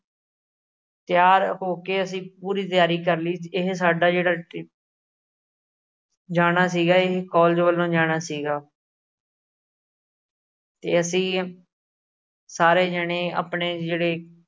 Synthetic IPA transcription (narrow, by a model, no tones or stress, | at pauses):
t̪ɪjaːɾɦoːkeːəsĩːpuːɾiːt̪ɪjaːɾiːkəɾliːɪɦsaːɖaːd͡ʒeːɽaː | d͡ʒaːɽ̃aːsiːɡaːɪɦkɔːld͡ʒʋəlːõːd͡ʒaːɽ̃aːsiːɡaː | t̪ḛːəsĩː | saːɾeːd͡ʒəɽẽːa̰ːpɳeːd͡ʒeːɽeː